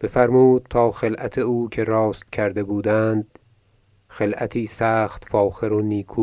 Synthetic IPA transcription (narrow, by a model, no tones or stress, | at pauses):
b̥efæɾmuːd̪̚t̪ʰɒːxe̞lʔæt̪ʰeuːkʰe̞ɾɒːst̪cʰæɾd̪e̞buːd̪ænd̪̥̚ | xe̞lʔæt̪ʰiːsæːxt̪fɒːxeɾoniːkʰuː